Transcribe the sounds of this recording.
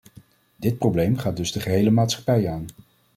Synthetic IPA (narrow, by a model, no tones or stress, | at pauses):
dɪt̚prowblejmχaːd̚dɵzdəχəɦejləmaːtsχɑ̥pɛjaːn